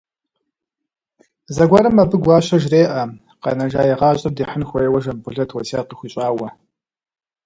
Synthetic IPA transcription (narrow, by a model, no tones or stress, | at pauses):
zɐɡʷɑɾɐmːɐbɨɡʷɑːɕɐʒreːʔɐ | qɐ̰nɐʒaːjɛʁɑːɕʼɐb̚diːħənxʷejwɐʒɐmbʷʊɮɐtʰwɐsaːqəxʷiːɕʼaːwɐ